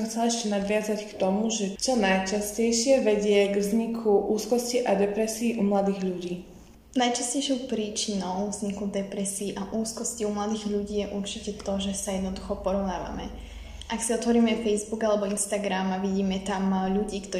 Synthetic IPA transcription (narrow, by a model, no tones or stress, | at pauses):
mxt͡sɛlɛʃcɛnad̪ʋɪazackt̪ɔmuʒɛt͡ʃɔnajt͡ʃascɛjʃɪɛʋɛɟɪɛɡvzɲikʰuʔuːskɔsciʔad̪ɛpɾɛsiːʔumlad̪iːɣʎuɟiː | najt͡ʃascɛjʃɔʊpɾiːt͡ʃinɔʊvzɲikud̪ɛpɾɛsiːʔaʔuːskɔsciumlad̪iːɣʎuɟiːjɛʔuɾt͡ʃicɛt̪ɔʒɛsajɛd̪nɔd̪uxɔpɔɾɔʊnaːʋa̰mɛ̰ | ʔaksiɔt̪ʋɔɾiːmɛfɛjzbuɡalɛbɔinst̪aɡɾamaʋiɟiːmɛt̪amʎuɟiːkt̪ɔ